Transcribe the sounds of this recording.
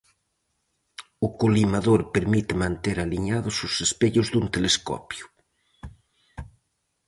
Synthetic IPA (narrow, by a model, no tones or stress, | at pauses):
ʊkolimaðoɾpeɾmit̪ɪmãnt̪eɾaliɲaðʊsʊsespeʎʊzðunt̪eleskɔ̰pjʊ̥